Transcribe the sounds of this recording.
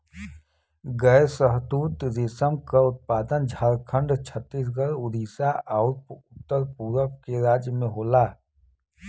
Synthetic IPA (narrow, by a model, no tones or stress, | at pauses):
ɡɛːɾsəɦt̪uːt̪ɾɪsəmkaʊt̪̚paːd̪ənd͡ʒʱaːɾkʰə̃ɳɖt͡ʃʰət̪ːiːs̬ɡəɾʊd̪iːsaʔɔːɾpʊt̪ːəɾpuːɾəkkeɾaːd͡ʒjəmẽɦoːlaː